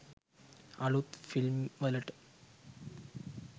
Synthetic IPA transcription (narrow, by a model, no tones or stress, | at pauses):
ɐ̰ɭut̪filmʋɐlɐʈː